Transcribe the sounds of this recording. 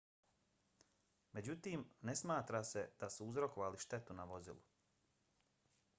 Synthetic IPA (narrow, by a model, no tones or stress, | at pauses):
me̞d͡ʑut̪iːmne̞smaːt̪ɾase̞d̪̥asuuzɾo̞koʋaliʃt̪e̞t̪unaʋo̞zḭlˠṵ